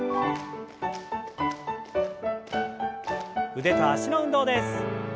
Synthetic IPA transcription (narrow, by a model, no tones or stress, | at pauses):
ɯ̟d̪e̞t̪aɕinoɯ̃nd̪o̞ːd̪es